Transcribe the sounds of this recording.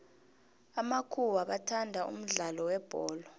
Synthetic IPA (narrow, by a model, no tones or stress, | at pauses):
amakʰuwaɓatʰandʱaṵm̩ɮalɔwɛb̥ʱɔːlɔ